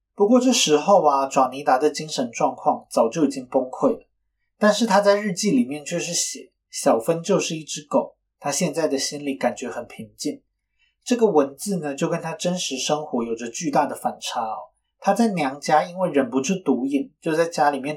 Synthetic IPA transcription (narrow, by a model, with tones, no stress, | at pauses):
pu˧˥kwɔ˥˧ʈ͡ʂɤ˥˩ʂɻ̩˧˥xo˥˩ʊɐ˨ʈ͡ʂwɑ˨˩ŋni˧˥t̪a˧˥d̪ə˨t͡ɕi˥ŋʂə˧˥nʈ͡ʂwɑ˥˧ŋkʰwɑ˥˩ŋt͡sɑ˨˩ʊt͡ɕjo˥˩ʊi˨˩t͡ɕi˥ŋpo˥ŋkʰwe˥˩ɪlə˩ | t̪a˥˧nʂɻ̩˥˩t̪ʰa˥t͡sa˥˧ɪɻɻ̩˥˧t͡ɕi˥˩li˨˩mjɛ˥˩˨nt͡ɕʰɥɛ˥˧ʂ̬ɻ̩˥˩ɕjɛ˨˩˦ | ɕjɑ˨˩ʊfə˥nt͡ɕjo˥˧ʊʂɻ̩˥˧i˥˩ʈ͡ʂɻ̩˥ko˨˩˦ʊ | t̪ʰa˥ɕjɛ˥˧nt͡sa˥˩ɪd̪ə˩ɕi˥nli˨˩˦ka˨˩nt͡ɕɥɛ˧˥xə˨˩npʰi˧˥ŋt͡ɕi˥˩n | ʈ͡ʂɤ˥˩ɡə˩wə˧˦˥nt͡sɹ̩˥˩nə˩t͡ɕjo˥˩ʊkə˥nt̪ʰa˥ʈ͡ʂə˥nʂɻ̩˧˥ʂɤ˥ŋxwɔ˧˥jo˨˩ʊʈ͡ʂə˧˦t͡ɕy˥˧t̪a˥˩d̪ə˩fa˨˩nʈ͡ʂʰa˧˥˨ | t̪ʰa˥t͡sa˥˩ɪnjɑ˧˥ŋt͡ɕja˥i˥nwe˥˩ɪɻə˨˩npu˧˥ʈ͡ʂʰɻ̩˥˩t̪u˧˥i˨˩ŋt͡ɕjo˥˧ʊt͡sa˥˩ɪt͡ɕja˥li˨˩mjɛ˥˩n